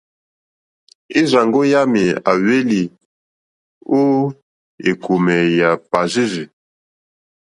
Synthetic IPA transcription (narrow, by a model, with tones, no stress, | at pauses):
e˦za˨ŋɡo˦ja˦mi˨a̰˨we˦li˨ | o˦ | e˨ku˨mɛ˨ja˨pa˨zi˦zi˨